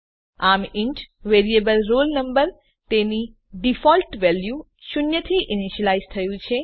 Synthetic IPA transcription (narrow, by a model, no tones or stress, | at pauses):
amɪɳʈʋeɾiebəlɾolnəmbəɾ | t̪eni | ɖifɔlʈʋɛlju | ʃʊnjət̪ʰiʔɪniʃəlaizt̪ʰəjũt͡ʃʰe